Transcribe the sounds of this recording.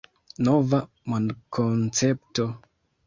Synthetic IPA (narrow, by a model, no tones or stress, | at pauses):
nova | mandkʰont͡septo